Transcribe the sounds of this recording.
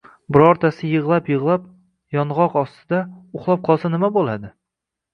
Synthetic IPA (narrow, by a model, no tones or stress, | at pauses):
bɪɾɒɾt̪ʰasɪjɨʁlˠapjɨʁlˠap̚ | jɒnʁɒqɒst̪ʰɪd̪aʊχlˠɒp̚qʰɒlˠsanɪmabolˠad̪ɪ